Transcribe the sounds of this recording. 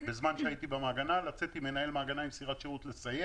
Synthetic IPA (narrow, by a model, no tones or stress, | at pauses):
bezmanʃeait̪ibamaːɡanalat͡set̪imenae̞lmaːɡanaimsiʁat̪ʃeʁutle̞saje